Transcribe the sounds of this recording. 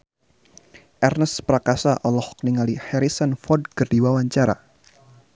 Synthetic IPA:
ʔɛrnəspɾakasaʔɔlɔhɔkniŋalihɛɾisənfɔd̚kərdiwawaɲt͡ʃaɾa̰

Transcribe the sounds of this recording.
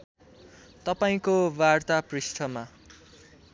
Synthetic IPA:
t̪ʌpaĩkobart̪aprisʈʰʌma

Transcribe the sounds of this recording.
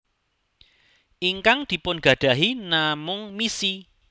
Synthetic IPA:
ʔiŋkaŋd̪̥i̤pʊnɡ̥ä̤d̥ä̤ɦinamʊŋmisi

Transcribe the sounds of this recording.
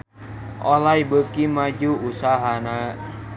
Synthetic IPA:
ʔɔlajbəkimad͡ʒuusaɦana

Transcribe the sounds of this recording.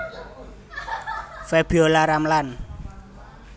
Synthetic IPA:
fɛb̥iolaɾamlan

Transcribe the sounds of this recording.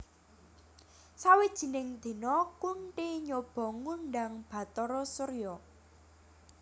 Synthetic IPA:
sawid̥ʒ̥i̤nɪŋd̪̥e̤nɔkuɳʈiɲob̥ɔ̤ŋuɳɖaŋb̥ä̤t̪ɔɾɔsəɾjɔ

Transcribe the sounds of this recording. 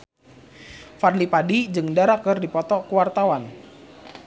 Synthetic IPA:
farlipadid͡ʒɨŋdaɾakɨrdipɔt̪ɔkuwart̪awan

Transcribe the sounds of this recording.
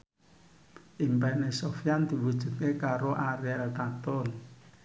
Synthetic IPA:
ʔimpɛnesofijand̪̥i̤wud̥ʒ̥ṳt̪̚kekaɾoʔaɾeɛlt̪at̪ɔn

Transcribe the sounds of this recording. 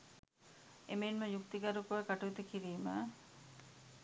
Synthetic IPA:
emeinməjuk̚t̪iɡɐɾukoʋəkaʈuit̪ukiɾiːmə̰

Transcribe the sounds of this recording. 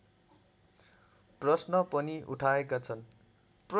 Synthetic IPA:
prʌsnʌpʌniʔṵʈʰaekat͡sʰʌn | pr

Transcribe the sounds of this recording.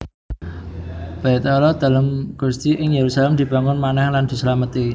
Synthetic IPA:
b̥at̪ɔlɔd̪̥a̤lamɡ̥ṳst̪iʔɪŋjeɾusalɛmd̪̥i̤b̥a̤ŋʊnmanɛhland̪̥ṳsəlamət̪i

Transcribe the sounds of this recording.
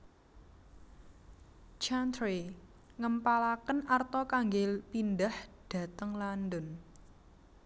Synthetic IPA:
t͡ʃant̪ɾe | ŋəmpalakənart̪ɔkaŋɡepindəhd̥ä̤t̪əŋlandʊn

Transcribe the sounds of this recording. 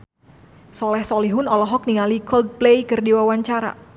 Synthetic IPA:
sɔlɛhsɔliɦʊnɔlɔɦɔk̚niŋalikɔld̪̚plejkɨrdiwawaɲt͡ʃaɾa̰

